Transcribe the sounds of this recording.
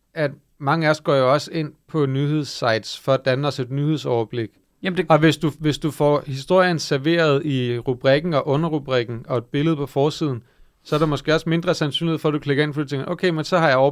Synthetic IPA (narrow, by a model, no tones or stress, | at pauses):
æd̥ | mɑ̈ŋəæɐsɡ̥ɒ̰ːjo̝ɒ̽se̝n̰pʰɒ̽nyhe̝ð̞̰ˠsɑ̈ɪ̰d̥sfɒ̽æd̥ænəɒse̝d̥nyhe̝ðˠsɒʊɐb̥le̝ɡ̥ | ɒ̽ʋe̝sd̥uʋe̝sd̥ufɒhisd̥o̝ɐ̰jənsæɐʋe̝̰ːɐð̞̩ˠiʁub̥ʁiɡ̥n̩ɒ̽ʔɔ̽nɐʁub̥ʁiɡ̥n̩ɒ̽e̝d̥̚b̥e̝ləð̩ˠpʰɒ̽fɒːsið̞̰ˠn̩ | sɒ̽æɐɾ̥ɑmɒ̽sɡ̥e̝̰ːɒ̽sme̝nd̥ʁɐsænsy̰n̰ih̩ˠfɒæd̥ukʰle̝ɡ̥ɐe̝nfɒid̥ut͡sʰeŋɡɐʔokʰemensɒ̽hɑ̈jɑ̈ɪɒ